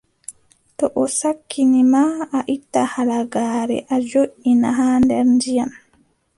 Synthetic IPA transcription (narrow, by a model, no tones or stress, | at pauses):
tɔʔɔsakːinimaaʔitːahalaɡaːɾɛ̰ʔad͡ʒoʔinaɦaːndɛɾndijam